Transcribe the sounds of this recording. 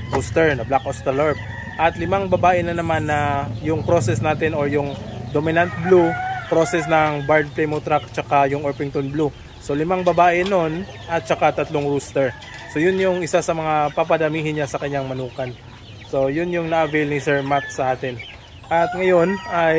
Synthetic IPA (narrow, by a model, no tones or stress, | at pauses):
ɾuːst̪ɛɹnɐblakʔost̪ɛlɛɹp̚ | ʔɐt̪lɪmaŋbɐbaːʔɪnɐnɐmanːɐjʊŋpɾo̞sɛsnaːt̪ɛno̞ɹjʊŋd̪omɪnɐnt̪̚blupɾo̞sɛsnɐŋbaɹd̪̚plɛmot̪ɾakt͡ʃɐkajʊŋʔoɹpɪŋt̪onblu | so̞lɪmaŋbɐbaːʔɛno̞n | ʔɐt̪̚t͡ʃɐkat̪ɐt̪loŋɾuːst̪ɛɹ | so̞jʊnjʊŋʔɪsasɐmɐŋapɐpɐd̪ɐmiːɦɪnɲasɐkɐɲːaŋmɐnuːkɐn | so̞jʊnjʊŋnɐʔɐvɛlnisɛɹmat̪̚sɐʔaːt̪ɪn | ʔɐt̪̚ŋɐjo̞nɐj